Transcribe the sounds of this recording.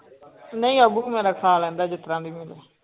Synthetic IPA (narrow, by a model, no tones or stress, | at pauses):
nəĩːəbuːmeːɾaːkʰaːlɛ̃ːnd̪aːd͡ʒɪt̪ɾãːd̪iːmɪleː